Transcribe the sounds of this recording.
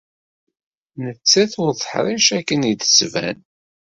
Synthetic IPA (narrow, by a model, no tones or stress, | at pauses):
nət͡sːæθʊɾðəħɾˤiʃækːənid̪ə̥svæ̰n